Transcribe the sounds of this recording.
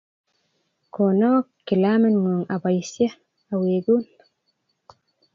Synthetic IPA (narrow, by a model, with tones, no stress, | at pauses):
ko˨no˦kːɪ˨lamɪ˦nŋu˨ŋa˨ba˨jsja˦ | a˨we˨ɡun